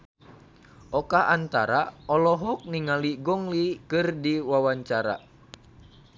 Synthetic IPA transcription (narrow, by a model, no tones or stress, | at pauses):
ʔɔkaʔant̪aɾaɔlɔɦɔk̚niŋaliɡɔŋlikɨrdiwawaɲt͡ʃaɾa̰